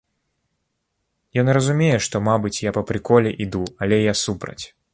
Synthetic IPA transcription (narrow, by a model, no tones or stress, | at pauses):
jɔnrɐzumʲejɛʂt̪ɔmabɨt͡sʲjapɐpɾɨkɔlʲɛʔid̪uɐlʲɛjasupɾɐ̰t͡sʲ